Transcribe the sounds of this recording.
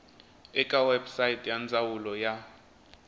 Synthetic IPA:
ɛkʼawɛbsajitʼjand͡zʱawulɔja

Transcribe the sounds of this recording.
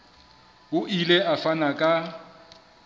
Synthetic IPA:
ʊʔileʔafanakʼa

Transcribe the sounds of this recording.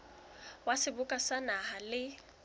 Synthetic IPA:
wasɪbʊkʼasanaɦalɪ

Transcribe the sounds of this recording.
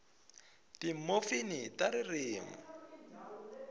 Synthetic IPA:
tim̩mofinitaɾɪrɪːŋɔ

